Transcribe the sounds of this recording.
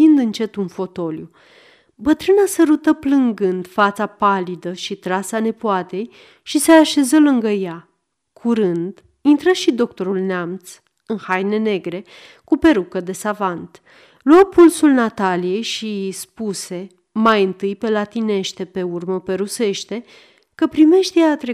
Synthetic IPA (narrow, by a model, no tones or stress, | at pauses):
ind̪ɨnt͡ʃe̞t̪unfo̞t̪o̞lju | bət̪ɾɨnasəɾut̪əplɨŋɡɨnd̪fat̪sapalid̪əʃit̪ɾasane̞puat̪e̞j | ʃiseaʃe̞zəlɨŋɡəja | kʰuɾɨnd̪ | int̪ɾəʃid̪o̞k̚t̪o̞ɾulneamt̪s | ɨnhajne̞ne̞ɡɾe̞ | kupe̞ɾukəd̪e̞savant̪ | luapulsulnat̪alije̞jʃispuse̞ | majɨnt̪ɨjpe̞lat̪ine̞ʃt̪e̞pe̞urməpe̞ɾuse̞ʃt̪e̞ | kəpɾime̞ʃt̪ejat̪ɾe